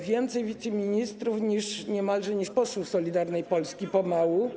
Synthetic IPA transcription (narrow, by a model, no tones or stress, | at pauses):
vʲjɛnt̪sɛjvʲit̪sɛmʲiɲist̪ɾufɲiʂɲɛmalʐɛɲiʂpɔswufsɔlʲid̪aɾnɛjpɔlskʲipɔmawu